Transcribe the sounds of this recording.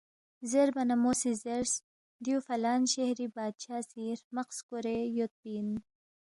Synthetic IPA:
zeɾbɐnamosizeɾs | d̪ijufɐlaːnɕehɾibaːd̪̚ʃaːsiːɾmɐqskuɾejot̪̚bin

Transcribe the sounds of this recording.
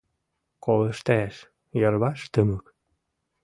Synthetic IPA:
kolə̆ʃt̪ææʃ | jərβɑʃt̪əmə̆k

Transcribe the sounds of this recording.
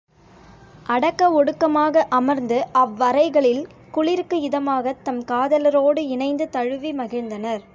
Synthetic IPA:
ʔɐɽɐkːɐɔɽɯkːɐmaːɣɐʔɐmɐɾnd̪ɯɐʋːɐɾɐɪɣɐɭɪl | kʊɭɪɾkːɯɪðɐmaːɣɐt̪ːɐmkaːðɐlɐɾoːɽɯɪnɐɪnd̪ɯt̪ɐɻɯʋimɐɣɪɻnd̪ɐnɐɾ

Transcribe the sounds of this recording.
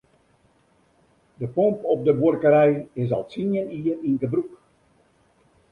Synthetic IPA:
dəpompɔp̚dəbwuərkəɾɛjɪsɔ̰lˠtinəniəninɡəbɾuk

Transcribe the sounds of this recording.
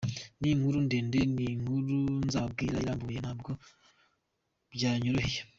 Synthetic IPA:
niŋhuɾundeːndeniŋ̥huɾunzaːb̚ɡiːɾaiɾaːmbujenhaːbɡo̞ | bɟaːɲoɾohije

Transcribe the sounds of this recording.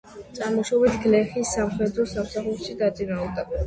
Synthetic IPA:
t̪sʼaɾmɔʃɔbit̪ʰɡlɛχisːamχɛd̪ɾɔsamsaχuɾʃid̪at̪sʼinalˠd̪a

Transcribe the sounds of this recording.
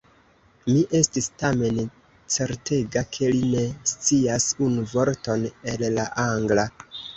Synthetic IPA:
miʔe̞stistame̞n | t͡se̞ɾte̞ɡakʰe̞line̞st͡siasunuvo̞ɾto̞ne̞llaʔaŋɡla

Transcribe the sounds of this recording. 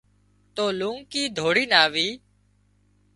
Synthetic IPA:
t̪oːlũːŋkiːd̪ʱoːɽiːnaːʋiː

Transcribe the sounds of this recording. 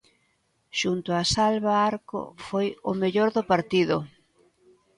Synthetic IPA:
ʃunt̪ʊasalβaaɾko̰fojʊmeʎoɾðʊpaɾt̪iðʊ

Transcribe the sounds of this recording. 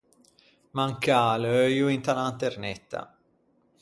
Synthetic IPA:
maŋkaːløjuint̪alant̪ernet̪ːa̰

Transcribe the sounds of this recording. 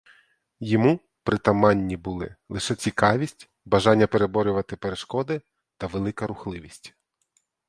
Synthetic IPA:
jɔmu | pɾɪt̪ɐmɑnʲːibʊlˠɪ̰lˠɪʃɛt͡sʲikɑʋʲisʲtʲ | bɐʒɑnʲːɐpeɾebɔɾʲʊʋɐt̪ɪpeɾeʃkɔd̪ɪ | t̪ɐʋelˠɪkɐɾʊxlˠɪʋʲisʲtʲ

